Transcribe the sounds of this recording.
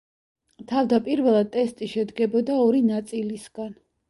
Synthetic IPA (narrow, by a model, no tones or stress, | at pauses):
t̪ʰavd̪apʼiɾvɛlˠad̪̚t̪ʼɛst̪ʼiʃɛd̪ɡɛbɔd̪aɔɾinat̪sʼilisɡ̥an